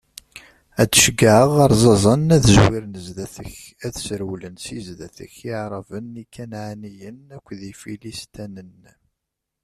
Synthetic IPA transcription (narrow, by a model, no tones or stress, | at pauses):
æt͡sːə̥ʃɡaʕəʁɑɾˤzˤɑzˤənæθəzwiɾnəzðæθə̰ç | æðsəɾwlənsizðæθə̰çɪʕɾˤəvənikːænʕanijənækʷːðifilist̪ænən